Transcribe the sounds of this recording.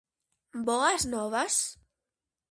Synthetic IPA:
bɔaznɔβas

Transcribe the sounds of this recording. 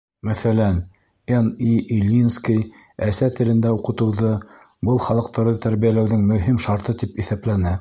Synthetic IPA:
mæθælæn | eniʔilʲːinskij | æsæt̪ɘ̆lɘ̆nd̪æuqɤ̆t̪ɤ̆wðɤ | bɤlˠχɑlˠɤ̆q̚t̪ɑɾðɤt̪æɾβijælæwðɘŋmɵ̆ɦimʃɑɾt̪ɤt̪ipiθæplænæ

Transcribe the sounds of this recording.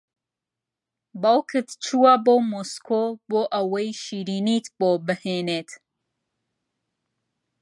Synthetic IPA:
bawkɨt̪t͡ʃuwabomoskʰoboʔawɐjʃiɾinit̪bobəhenet̪

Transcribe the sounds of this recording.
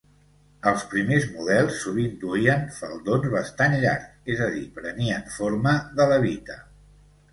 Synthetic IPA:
əlˠspɾimezmuð̞ɛlˠsːuβind̪uiənfəlˠd̪onzβəst̪anʎa̰ɾkezəð̞ipɾəniəɱfoɾməðələβ̞it̪ə

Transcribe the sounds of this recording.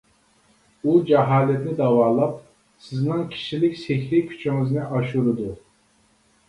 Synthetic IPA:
ud͡ʒɛɦɑːlɛt̪nɪd̪ɑwɑːlˠɑp̚ | sɪznɨŋkʲʰi̥ʃilɪkʲseçʲɾɪkʲʰy̥t͡ʃʰiŋɪznɪʔɑʃuɾɨd̪u

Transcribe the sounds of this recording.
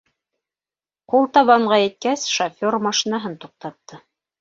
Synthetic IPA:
qulˠt̪ɑβɑɴʁɑjɘ̆t̪̚kæsʃofʲormɑʃinɑɦɤnt̪uq̚t̪ɑt̪ːɤ

